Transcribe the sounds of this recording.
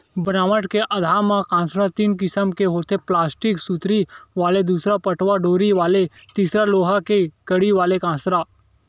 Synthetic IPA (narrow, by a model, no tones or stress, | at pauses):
bənaːʋəʈkeʔɐd̪ʱaːmãkãːsɾat̪iːnkɪsəmkeɦoːt̪eplaːsʈɪksut̪ɾiʋaːled̪uːsɾapəʈʋaɖoːɾiʋaːle | t̪iːsɾaloːɦakekəɽiʋaːlekãːsɾaː